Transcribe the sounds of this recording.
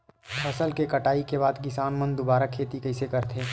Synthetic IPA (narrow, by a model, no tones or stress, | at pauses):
pʰɐsəlkekɐʈaːikebaːd̪kɪsaːnmə̃nd̪ʊbaːɾakʰeːt̪ikɐɪsekɐɾt̪ʰeː